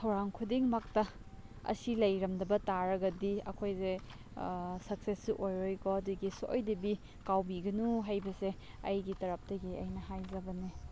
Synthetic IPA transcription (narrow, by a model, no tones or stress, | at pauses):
tʰɐwɾaŋkʰudiŋmak̚tɐ | ɐ̰silɐjɾɐmnɐbɐtaɾɐɡɐdiɐ̰kʰojze | sɐk̚sesuʔojɾojkoɐduɡiso̰jdɐbi | kawbiɡɐnuɦajbɐse | ɐ̰jɡitɐɾɐp̚tɐɡiɐjnɐɦajzɐbɐni